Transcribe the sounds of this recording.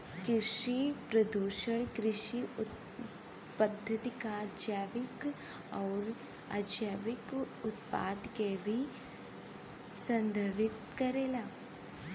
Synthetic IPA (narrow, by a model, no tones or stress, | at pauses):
kɾɪʃipɾɐd̪uːʃəɽ̃kɾɪʃiʊ | pɐd̪ʱːət̪ikad͡ʒjaːʋɪk | ɔːɾ | a̰d͡ʒjaːʋɪk | ʊt̪̚pa̰ːd̪kebʱi | sɐ̃nd̪ʱəʋɪt̪kɐɾeːlaː